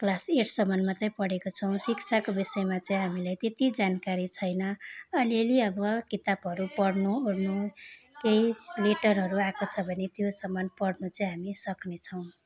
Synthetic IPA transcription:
plaseʈʰsʌmʌnmat͡sʌĩpʌɽekot͡sʰʌw̃sikt͡sʰakobisʌjmat͡sʌĩɦamilajt̪et̪id͡zankaɾit͡sʰʌjnʌʌliʌliʌbʌkit̪abɦʌɾupʌɽnurnu | kejleʈʌrɦʌɾuakot͡sʰʌbʱʌnet̪josʌmːʌnpʌɽnut͡sʌĩɦamisʌknet͡sʰʌw̃

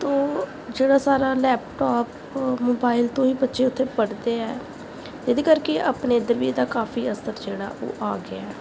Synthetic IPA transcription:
t̪õː | d͡ʒeːɽaːsaːɾaːlɛːpʈaːp | moːbaːɪlt̪õːiːbətːʃeːʊt̪ʰːeːpəɽd̪eːɛː | ed̪eːkəɾkeʔapneːɪd̪əɾʋid̪aːkaːfʰiːəsəɾd͡ʒeːɽa̰ːʔo̰ːʔaːɡɪaɛː

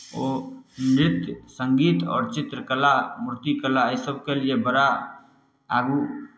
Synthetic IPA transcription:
o | nɾɪt̪jsəŋɡiːt̪ɔ̰ːɾt͡ʃit̪ɾəkəlamʊɾt̪ikəlaəjsəbʱkelijebəɾa | aɡu

